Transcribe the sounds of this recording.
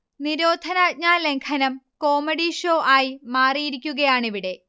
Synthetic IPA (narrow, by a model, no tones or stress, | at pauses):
niɾoːd̪ʱɐnaːt̚ɲaːle̞ŋkʰɐnɐmko̞ːmɐɽiʂo̞ːʔaːjimaːrijiɾikʲːuɣɐjaːɳiʋiɽe̞